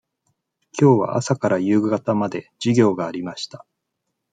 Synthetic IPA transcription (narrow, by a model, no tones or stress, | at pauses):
kʲo̞ːβa̰ʔa̰sakaɾajɯːɡɡat̪amad̪e̞d͡ʑiɡʲo̞ːɡaːɾʲimaɕi̥t̪ḁ